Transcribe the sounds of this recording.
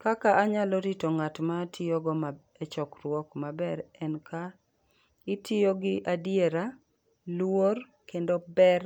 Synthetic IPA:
kakaʔaɲalɔɾitoŋatmatʰɪoɡɔma | et͡ʃɔkɾwɔkmabɛɾɛnka | ɪtɪjoɡɪʔadjeɾa | lwor | kendobɛr

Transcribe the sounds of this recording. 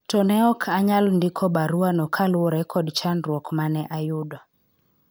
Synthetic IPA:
tɔnɛɔkʰaɲalndɪkʰɔbaɾuanɔkʰalwɔɾɛkʰɔdt͡ʃanɾwɔkmanɛʔajudɔ

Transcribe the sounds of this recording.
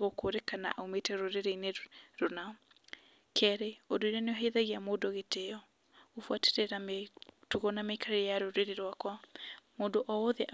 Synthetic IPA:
ɣokoːɾekana̰ʔaumetɛɾoɾeɾeineɾonaɔ | kʰɛɾeodoiɾaneoɦeiðaɣiamoːdoɣeteɔ | ofwatɛ̥ɾɛɾatuɣɔnameikʰaɾejaɾoɾeɾeɾwakwamoːdoʔɔoðɛʔ

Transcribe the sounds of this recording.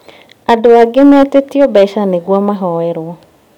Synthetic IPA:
adoaɡɪmɛatetɪɔbɛʃaneɡwɔmaɦɔɛɾwɔ

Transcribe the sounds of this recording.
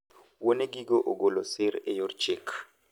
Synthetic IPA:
woneɡiɡoʔoɡolosɪɾejort͡ʃɪk

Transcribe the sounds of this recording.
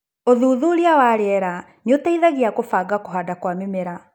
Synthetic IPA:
oðuːðuɾiawaɾeɛɾa | njotaiðaɣiakofaːɡakoɦaːdakwamemeɾa

